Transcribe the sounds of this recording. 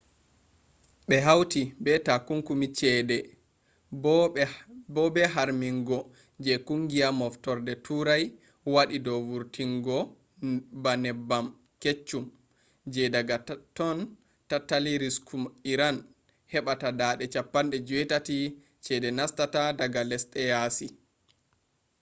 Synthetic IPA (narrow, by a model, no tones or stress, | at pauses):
ɓɛɦawtibɛtakuŋkumit͡ʃɛdɛ | bɔbɛɦaɾmiŋɡɔ | d͡ʒɛkuŋɡiamɔftɔɾdɛtʰuɾaj | waɗidɔvuɾtiŋɡɔ | banɛbːam | ket͡ʃːum | d͡ʒɛdaɡatɔn | tatːaliɾiskumiɾan | hɛɓatadaɗɛt͡ʃapːanɗɛd͡ʒuwɛtati | t͡ʃɛdɛnastatadaɡalɛsɗɛjasi